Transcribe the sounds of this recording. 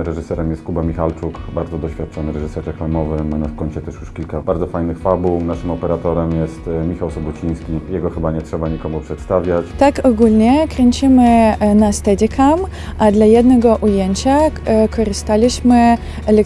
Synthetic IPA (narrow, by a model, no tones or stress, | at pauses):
ɾɛʐɨsɛɾɛmjɛst̪kubamʲixalt͡ʂukbaɾd̪ɔd̪ɔɕfʲat̪̚t͡ʂɔnɘɾɛʐɘsɛɾɾɛklamɔvɘmanafkɔɲt͡ɕɛt̪ɛʂjuʂkʲilkabaɾd̪zɔfajnɘxfabuwnaʂɘmɔpɛɾat̪ɔɾɛmjɛst̪mʲixawsɔbɔt͡ɕij̃skʲijɛɡɔxɘbaɲɛtʂɛbaɲikɔmupʂɛt̪st̪avʲjat͡ɕt̪akɔɡulʲɲɛkɾɛɲʲt͡ɕimɘnast̪ɛdʲikʰam | ʔad̪lajɛd̪nɛɡɔʔujɛɲt͡ɕakʰɔɾɘst̪alʲiɕmɘ | ɛlɛ